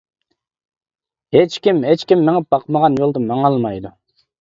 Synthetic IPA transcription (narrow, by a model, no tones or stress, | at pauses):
het͡ʃkʲimɦet͡ʃkʲimːeŋɛbɑqməʁɑnjolˠd̪ɑmɑŋɑlˠmɑjd̪u